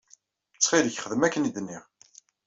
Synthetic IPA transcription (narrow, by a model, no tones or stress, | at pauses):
t͡sːχiləçχəðəmækːənid̪nːiʁ